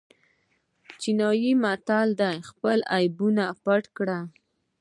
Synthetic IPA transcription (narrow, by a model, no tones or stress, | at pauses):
t͡ʃinɑjimat̪ɑld̪ajxpəlajbunapaʈkɽa